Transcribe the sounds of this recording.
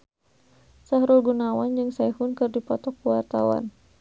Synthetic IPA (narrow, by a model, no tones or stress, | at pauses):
sahɾulɡunawand͡ʒɨŋsajhunkɨrdipɔt̪ɔkuwart̪awa̰n